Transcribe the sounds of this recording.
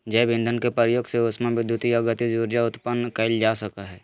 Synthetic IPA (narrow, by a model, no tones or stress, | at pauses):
d͡ʒɛːbɪ̃nd̪ʱənkepəɾjoːɡseosmẽʋɪd̪ʱjut̪ijaɡət̪id͡ʒuːɾd͡ʒaʊt̪pənːkəɪld͡ʒaːsɐkaɦɛː